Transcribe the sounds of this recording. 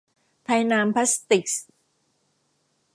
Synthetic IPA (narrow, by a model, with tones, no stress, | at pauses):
t̪ʰa˧jnaː˧mpʰa˦˥st̪i˨˩k̚s